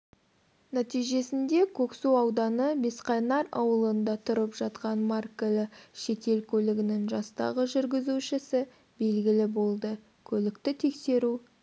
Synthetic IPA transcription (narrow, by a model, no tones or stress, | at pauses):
næt̪ijʒe̞sɪnd̪e̞kʲʰɵksuɑwd̪ɑnəbe̞sqɑjnɑɾɑ̰wəlˠənd̪ɑt̪ʰʊɾəpʒ̥ɑt̪qɑnmarkəlɪʃe̞t̪e̞lkʲʰɵlɪɡʲɪnɪŋʒɑst̪ɑ̰ʁəʒʏɾɡʲɪzuʃɪsɪ | be̞lɡʲɪlɪbo̞lˠd̪ə | kʲʰɵlɪkt̪ɪt̪ʰe̞kse̞ɾu